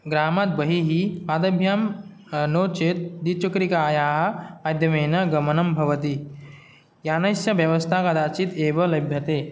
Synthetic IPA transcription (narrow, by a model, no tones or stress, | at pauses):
ɡɾaːmat̪̚bɐɦiɦiaːd̪ɐbʱjaːm | noːt͡ʃeːt̪̚d̪it͡ʃukɾikaːjaːɦɐmaːjd̪ʱjɐmeːnɐɡɐmɐnɐmbʱɐʋɐt̪i | jaːnɐsjɐʋjɐʋɐst̪ʰakad̪aːt͡ʃit̪eːʋɐlɐjbʱjɐt̪eː